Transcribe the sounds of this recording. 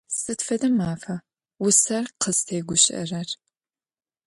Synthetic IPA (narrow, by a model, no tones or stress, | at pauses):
sɨtfɐdɐmaːfɐ | wʊsɐrqʰəstʰeːɡʷʊɕʼɐ̰rɐr